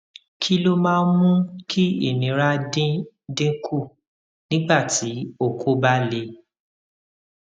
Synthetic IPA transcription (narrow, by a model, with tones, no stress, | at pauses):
kʰi˦lo˦mãː˦˧˦n˦mũ˦kʰi˦ḛ˦˨nĩ˨˦ɾa˦dĩ˦ | dĩ˦kʰu˦˨ | nĩ˦ɡ͡ba˦˨ti˨˦o˦˨kʰo˦ba˦le˧˦